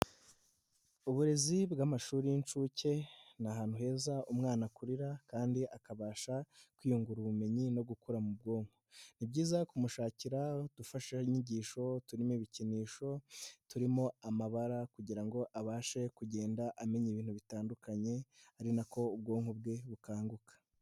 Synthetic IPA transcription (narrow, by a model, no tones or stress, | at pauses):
uβuɾe̞zibɡamaʃuːɾijint͡ʃuːce̞naɦaːn̥huhe̞ːzaʔumŋaːnakuɾiɾakaːndiʔakaβaːʃakwijuŋɡuɾuβume̞ɲino̞ɡukuɾamub̚ɡo̞ːŋ̥hon̥ibɟiːzakumuʃaːciɾadufaʃaiɲiɟiːʃo̞tuɾimiβiciniːʃo̞tuɾimo̞amaβaɾakuɟiɾaŋɡo̞ʔaβaːʃe̞kuɟe̞ːndaʔame̞ɲiβiːnhuβitaːndukaɲe̞aɾinako̞ub̚ɡo̞ːŋ̥ub̚ɡe̞βukaːŋɡukḁ